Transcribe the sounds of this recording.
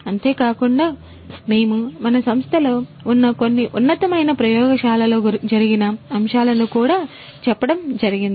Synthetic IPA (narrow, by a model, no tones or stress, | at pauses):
ɐnt̪e̞ːkaːkuɳɖaː | me̞ːmumɐnɐsɐmst̪ʰɐlo̞ːunːɐko̞nːiʔunːɐt̪ɐmɐjnɐpɾɐjɔːɡɐʃaːlɐlo̞ːd͡ʒɐɾiɡinɐɐmʃaːlɐnukuːɽaː | t͡ʃɛpːɐɽɐmd͡ʒɐɾiɡind̪ii